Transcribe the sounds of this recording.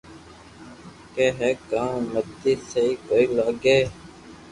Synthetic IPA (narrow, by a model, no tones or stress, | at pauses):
keːɦekãːmət̪ːiːseiːkoːiːlaːɡeː